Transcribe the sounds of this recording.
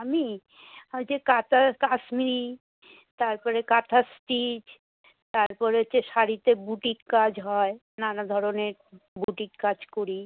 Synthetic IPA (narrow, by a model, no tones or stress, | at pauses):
ami | ad͡ʑekat̪akaʃmiɾi | t̪aɾpɔɾekat̪ʰasʈid͡ʑ | t̪aɾpɔɾet͡ɕʰeʃaɾit̪ebuʈikkad͡ʑɦɔe | nanad̪ʱɔɾoneɾbuʈikkad͡ʑkoɾi